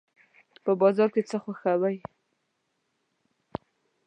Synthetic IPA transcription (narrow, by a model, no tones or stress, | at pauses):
pəbɑzɑɾket͡səxaxawaj